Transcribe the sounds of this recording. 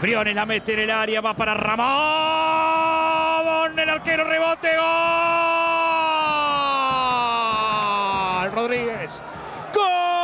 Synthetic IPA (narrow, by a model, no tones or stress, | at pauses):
fɾjonelamet̪enelaɾjaβapaɾaramo | monelaɾkeɾoreβot̪eɣo | lroðɾiɣes | ko